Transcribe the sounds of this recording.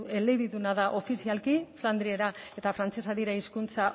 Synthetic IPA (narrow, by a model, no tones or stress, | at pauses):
e̞leβiðunaðaʔo̞fisialkifland̪ɾie̞ɾae̞t̪afɾant͡se̞saðiɾaiskunt͡sa